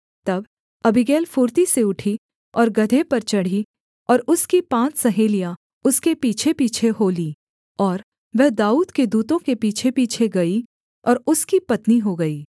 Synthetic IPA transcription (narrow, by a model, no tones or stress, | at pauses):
t̪ɐb | ɐbɪɡɛːlfuːɾt̪iseʊʈʰi | ɔːɾɡɐd̪ʱepɐɾt͡ʃɐɽ̤i | ɔːɾʊskipãːt͡ʃsɐɦeːlija | ʊskepiːt͡ʃʰepiːt͡ʃʰeɦoːliː | ɔːɾ | ʋɛɦd̪aːuːd̪ked̪uːt̪õkepiːt͡ʃʰepiːt͡ʃʰeɡɐi | ɔːɾʊskipɐt̪niɦoɡɐiː